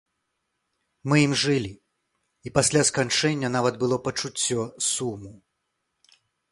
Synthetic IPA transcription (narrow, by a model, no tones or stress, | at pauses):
mɨimʐɨlʲi | ipasʲlʲaskant͡ʂɛnʲːɐnavɐd̪bɨlˠɔpɐt͡ʂut͡sʲːɔsumu